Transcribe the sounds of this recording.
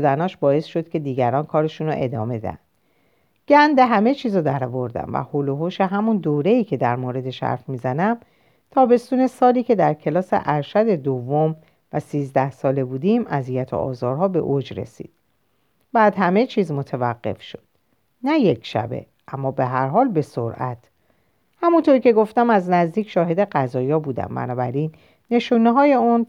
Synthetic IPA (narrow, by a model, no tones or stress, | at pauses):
od̪ænɒːʃbɒːe̞sʃo̞d̪̥̚cʰe̞d̪iːɟæɾɒːnkʰɒːɾe̞ʃuːno̰ʔe̞d̪ɒ̰ːme̞d̪æ̰ænd̪̥ | ɟ̥ænd̪eɦæme̞t͡ʃʰiːzod̪æɾɒvo̞ɾd̪æ̰mvæ̰holoɦoʃe̞ɦæmund̪oːɾe̞iːcʰe̞d̪æɾmoɾe̞d̪e̞ʃæ̰ɾfmiːzænæm | t̪ʰɒːbe̞st̪uːne̞sɒːliːcʰe̞d̪æɾcʰe̞lɒːse̞̰ʔæɾʃæd̪e̞d̪ovːom | væ̰siːzd̪æhsɒːle̞buːd̪iːmæzijæt̪ʰo̰ʔɒ̰ːzɒːɾɦɒːbe̞̰ʔod͡ʒɾe̞̰sḭːd̪̥ | bæːd̪hæme̞t͡ʃʰiːzmo̞t̪ʰevæɢːe̞̰fʃo̞̥d̪̥ | næjecʰʃæ̰bḛ | ʔæmːɒːbe̞ɦæɾɦɒːlbe̞soɾʔæt̪ʰ | hæmunt̪ʰoɾiːce̞ɡo̞ft̪æmæznæzd̪iːcʃɒːɦe̞d̪e̞ɢæzɒːjɒːbuːd̪æ̰mbæ̰nɒːbæɾiːnː | e̞ʃuːneɦɒːje̞un